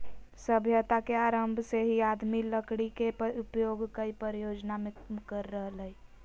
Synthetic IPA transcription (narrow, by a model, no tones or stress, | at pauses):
səbʱjət̪akeaːɾəmbʱseɦiad̪miləkɽikeupjoɡkəipəɾijoːd͡ʒnamekəɾːəɦləi